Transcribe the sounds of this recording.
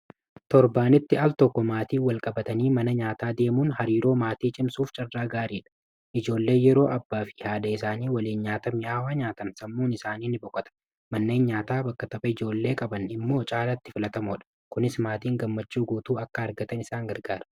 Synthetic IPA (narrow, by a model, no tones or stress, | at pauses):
t̪ɔɾbaːnɪt̪ːɪɐlt̪ɔkːɔmaːt̪iːwɐlkʼɐbɐt̪ɐniːmɐnɐɲaːt̪aːd̪e̞ːmuːnhɐɾiːɾo̞ːmaːt̪iːt͡ʃʼɪmsuːft͡ʃʼɐrːaːɡaːɾiːᶑɐ̥ | ʔɪd͡ʒo̞ːlːe̞ːjɛɾo̞ːʔɐbːaːfɪhaːd̪ɐɪsaːniːwɐliːnɲaːt̪ɐmɪʔaːwaːɲaːt̪ɐnsɐmːuːnɪsaːniːnɪbɔkʼːɔt̪ɐ̥ | mɐnːe̞ːnɲaːt̪aːbɐkːɐt̪ɐbʼɐɪd͡ʒo̞ːlːe̞ːkʼɐbɐnɪmːo̞ːt͡ʃʼaːlɐt̪ːɪfɪlɐt̪ɐmɔᶑɐ̥ | kʊnɪsmaːt̪iːŋɡɐmːɐt͡ʃːuːɡuːt̪uːɐkːɐɐɾɡɐt̪ɐnɪsaːŋɡɐɾɡaːɾɐ